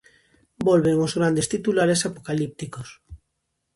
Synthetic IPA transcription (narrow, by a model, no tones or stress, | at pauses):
bolβeŋozɣ̞ɾand̪est̪it̪ulaɾesapokalip̚t̪ikos